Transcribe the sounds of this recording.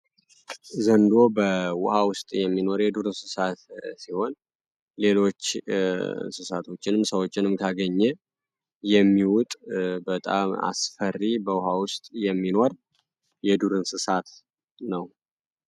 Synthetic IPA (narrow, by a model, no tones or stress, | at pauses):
zənd̪o̞bəwʊ̰hawʊst̪ʼjɛmːino̞ɾjɛd̪uɾɨnsɨsat̪siho̞n | le̞lo̞t͡ʃː | sɨsat̪ʰo̞t͡ʃːɪnɨmsəwo̞t͡ʃːɪnɨmkʰaɡəɲːɛ | jɛmːiwʊt̪ʼbət̪ʼa̰ma̰sfərːibəwʊhawʊst̪ʼjɛmːino̞ɾ | jɛd̪uɾɨnsɨsat̪ | nəw